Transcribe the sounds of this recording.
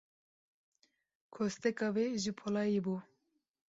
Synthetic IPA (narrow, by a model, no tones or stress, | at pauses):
kʰost̪ɛkɑweʒɨpʰolɑːjebuː